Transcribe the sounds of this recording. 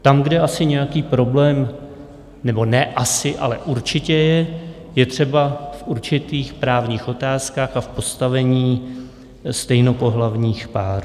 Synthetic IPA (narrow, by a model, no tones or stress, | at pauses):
t̪amɡdɛʔasɪɲɛjakiːpɾo̞blɛːm | nɛbo̞nɛʔasɪʔa̰lɛ̰ʔuɾt͡ʃɪcɛjɛ | jɛt̪r̝̥ɛbafʔuɾt͡ʃɪt̪iːxpɾaːvɲiːxo̞t̪aːskaːxafpo̞st̪avɛɲiː | st̪ɛjno̞po̞ɦlavɲiːxpaːɾu